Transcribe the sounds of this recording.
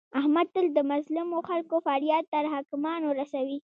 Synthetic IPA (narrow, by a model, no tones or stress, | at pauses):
ahmad̪̚t̪əld̪əmazlɪmoxalkofɑɾjɑt̪̚ːaɾɦɑkɪmɑnoɾasawi